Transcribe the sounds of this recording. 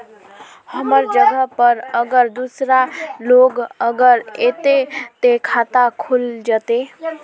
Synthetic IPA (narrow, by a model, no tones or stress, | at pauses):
həməɾd͡ʒəɡəpəɾəɡəɾd̪usɾaloːɡəɡəɾet̪et̪ekʰat̪akʰuld͡ʒət̪e